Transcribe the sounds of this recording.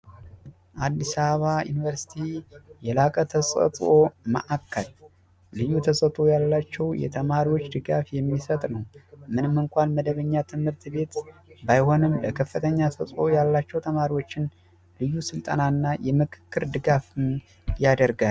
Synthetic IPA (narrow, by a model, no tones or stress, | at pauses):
ʔad̪ːisaββajṵnivəɾsi̥t̪ʰijɛlakʼət̪ʰəsʼə̰t̪ʼomə̰ʔakʰːəl | lɨjːut̪ʰəsʼət̪ʼo̞jalːat͡ʃːɛwjɛ̰t̪ʰəmaɾiwo̞t͡ʃːd̪ɨɡafjɛmːisət̪ʼnəwmɨnɨmːɨŋkʷʰanməd̪əβəɲːat̪ʰɨmhɨɾt̪be̞t̪bajho̞nɨmləkʰəfːɨt̪ʰəɲːasʼət̪ʼo̞jalːat͡ʃːɛwt̪ʰəmaɾiwo̞t͡ʃːɪn | lɨjːusɨlt̪ʼənanːajɛmɨkʰɨ̥kːɨɾd̪ɨɡafɨm | jad̪əɾɡa